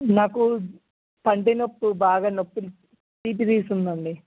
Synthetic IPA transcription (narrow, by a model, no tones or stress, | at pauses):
naːku | pɐɳɖenopːubaːɡaːnopːul | ʈiːp̬id̪iːsund̪ɐɳɖi